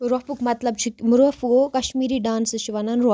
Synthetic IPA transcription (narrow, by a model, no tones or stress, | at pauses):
ɾɔpukmɐt̪lɐbt͡ʃʰimuɾɐfuokɐʃmiːɾiːɖaːnsɨʃiʋɐnanɾɔ